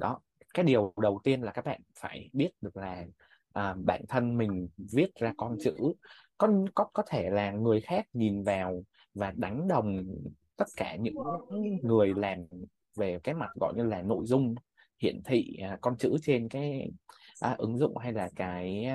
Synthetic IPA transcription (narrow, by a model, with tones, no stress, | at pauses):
ɗɔ˨˦ | kaː˨˦jɗi˨˩əwɗə˨˩wt̪i˧ənlaː˨˩kaː˦˥k̚ɓa̰ː˧˨nfaː˧˩jɓi˦˥ət̚ɗɨ˨˩ək̚laː˨˩ | ʔəː˨˩ɓa̰ː˧˨nt̪ʰə˧nmï˨˩ŋ̟vi˦˥ət̚zaː˧kɔ˧nt͡ɕɨ̰˧˥ | kɔ˨˦kɔ˨˦kɔ˨˦t̪ʰe˧˩laː˨˩ŋɨ˨˩əjxaː˦˥k̚ɲi˨˩nvaː˨˩w | vaː˨˩ɗa˨˦jŋ̟ɗə˨˩wŋ͡mt̪ə˦˥t̚kaː˧˩ɲɨ̰˧˥ŋŋɨ˨˩əjlaː˨˩m | ve˨˩kaː˨˦jma˨˩t̚ɣɔ̰˧˨jɲɨ˧laː˨˩no̰˧˨jzʊ˧ŋ͡m | hḭ˧˨ənt̪ʰḭː˧˨˩kɔ˧nt͡ɕɨ̰˧˥t͡ɕe˧nkaː˨˦jʔəː˨˩ʔɨ˨˦ŋzʊ̰˧˨ŋ͡mɦa˧jlaː˨˩kaː˨˦j